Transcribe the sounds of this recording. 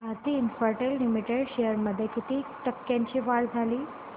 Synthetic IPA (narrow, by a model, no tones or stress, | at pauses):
at̪iːnfəɾʈellimiʈeɽɕejəɾməd̪ʱjekit̪iːʈəkːjãɲt͡ɕiʋaɭd͡zʱaliː